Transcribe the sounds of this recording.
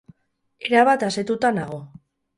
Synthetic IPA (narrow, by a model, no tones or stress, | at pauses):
e̞ɾaβat̪ase̞t̪ut̪anaɣ̞o̞